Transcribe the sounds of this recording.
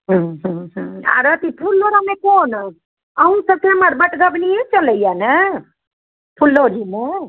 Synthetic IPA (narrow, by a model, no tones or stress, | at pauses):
ɦə̃ɦũɦũa̰ɾət̪ipʰulːoɾamekon | əũsəb̚kʰeməɾbəʈɡəbnijet͡ʃələjanə | pʰulːoɾime